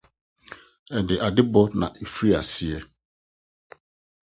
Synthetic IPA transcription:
ɛ˨ndɪ˨ʔa˨dɪ˦bɔ˦nã̰˨ʔe˨fɾi˦a̰˨sɪ˦ɛ˦

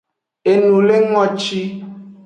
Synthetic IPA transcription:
e˨nũ˨le˦ŋɔ̃˦t͡ʃi˦

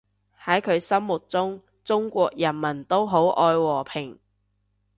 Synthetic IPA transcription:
hɐ˨˥jkʰɵ˨˧ɥsɐ˥mːʊ˨˩t̚t͡sʊ˥ŋ | t͡sʊ˥ŋkʷɔː˧k̚jɐ˨˩nmɐ˨˩nt̪o˥wɦo˨˥wʔɔː˧jwɔː˨˩pʰɪ˨˩ŋ

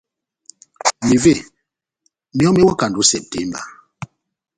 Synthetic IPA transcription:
mi˨ve˦˨ | mi˦ɔ˦me˦wa˦ka˨n˨du˨˦sɛ˨p̚tɛ˦mba̰˨

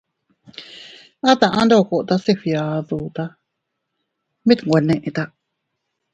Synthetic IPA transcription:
a˦t̪a˨ʔã˦ndo˦˨ko˨ʔt̪a˧si˧ɸja˨ðu˨t̪a˧ | mĩ˦t̪ŋwʷe˨nẽ˧ʔe˧t̪a˧

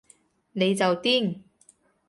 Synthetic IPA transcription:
ne˨˧jt͡sɐ˨wt̪iː˥˩ŋ

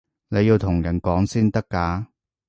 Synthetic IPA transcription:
ne˨˧jiː˧wt̪ʰʊ˨˩ŋjɐ˨˩nkɔː˨˥ŋsiː˥nt̪ɐ˥kːaː˨˥

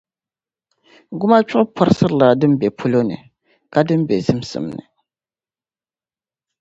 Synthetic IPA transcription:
ɡʊ˦ma˦t͡ʃʊ˦ʔʊ˦pʰɔ˦ɾsɨ˦ɾɨ˦˨la˨dɨ˦m˦bɛ˨pʰu˦lo˦nɨ̰˨ | ka˦dɨ˦m˦bɛ˨zɨ˦m˦sɨ̰˨mnɨ̰˨

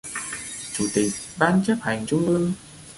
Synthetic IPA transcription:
t͡ɕu˧˦t̪i˨˩k̚ɓaː˧nt͡ɕa˦˥p̚ha˨˩jŋ̟t͡ɕu˧ʔɨ˧əŋ

